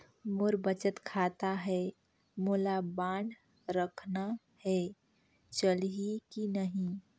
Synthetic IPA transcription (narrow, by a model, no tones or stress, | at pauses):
mʊɾbət͡ʃət̪kʰaːt̪aɦɛ | moːlabãːɳɖ | ɾəkʰna | hɛ | t͡ʃəlikinəɦĩ